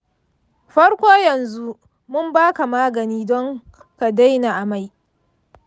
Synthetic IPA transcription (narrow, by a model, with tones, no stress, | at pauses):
ɸɐ˦ɽkʷoː˦jɐ˨nzu˦ | mʊ˦mbaː˦ka˨maː˦ɡɐ˨niː˦dɔ˦ŋ | ka˨da˦jna˨ʔa˨ma˨j